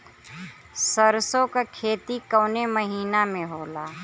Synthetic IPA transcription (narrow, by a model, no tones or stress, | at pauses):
səɾsõkakʰeːt̪ikəːneməɦiːnamẽɦoːlaː